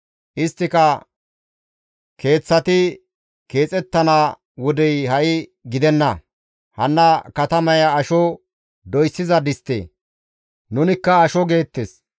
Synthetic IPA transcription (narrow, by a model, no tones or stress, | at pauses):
ʔɪst̪ːɪkɐ | ke̞ːt͡sːɐt̪ɪ | ke̞ːt͡sʼɛt̪ːɐna | wɔd̪ɛjhɐʔɪɡɪd̪ɛnːɐ | hɐnːɐkɐt̪ɐmɐjɐːʃɔ | d̪ɔjsːɪzɐd̪ɪst̪ːḛː | nʊnɪkːɐːʃɔɡe̞ːt̪ːes